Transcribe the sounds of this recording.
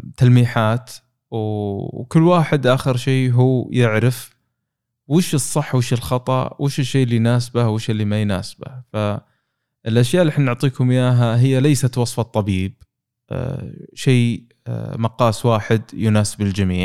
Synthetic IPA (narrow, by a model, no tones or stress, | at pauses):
t̪almiːħaːt̪ | wkʊlːwaːħɪd̪ʔaːxɪɾʃeːɦuːjɪʕɾaf | wɪʃɨsˤːɨħːwɪʃɪlxɑt̪ˤɑ̰wʔɪʃɪʃːejːʔlːijnaːsbawɪʃɪlːimajna̰ːsba̰fa | ɪlʔaʃjaʔlːɪħnnːʊʕt̪ˤiːkʊmjaːɦaɦɪjːalajsat̪wɑsˤfɑt̪ˤːɑbiːb̰̚ | ʃeː | mɑqɑːswaːħɪd̪jʊnaːsɪbɪld͡ʒamḭːʕ